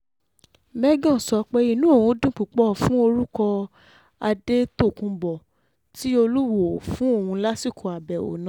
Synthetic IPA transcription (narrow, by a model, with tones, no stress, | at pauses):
mɛ˦ɡɔ̃˦˨sɔ˨˧˦k͡pe˦i˦˧nũ˦o˦˨wũ˧˦dũ˦˨k͡pu˨k͡pɔ˦˨fũ˦o˧ɾu˦kɔ˧ | a˧de˦to˦˨kũ˧bɔ˨ | ti˦o˧lu˦wo˨fũ˦o˦˨hũ˧˦la˦si˦˨kʰo˨a˨bɛ˨o̰˨nã˨˦